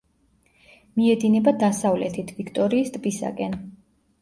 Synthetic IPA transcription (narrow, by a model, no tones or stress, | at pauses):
miɛd̪inɛbad̪asavlɛt̪ʰit̪ʰvikʰt̪ʼɔɾiːst̪ʼbisa̰kʼɛn